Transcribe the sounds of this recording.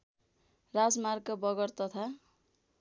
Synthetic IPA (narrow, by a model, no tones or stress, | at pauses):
rad͡zmarkʌbʌɡʌrt̪ʌt̪ʰa